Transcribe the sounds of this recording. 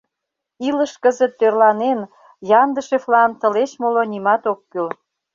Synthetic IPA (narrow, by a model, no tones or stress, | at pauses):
iləʃkəzət̪ːørlɑnen | jɑnd̪əʃeflɑnt̪ə̆let͡ɕmolonimɑt̪okːyl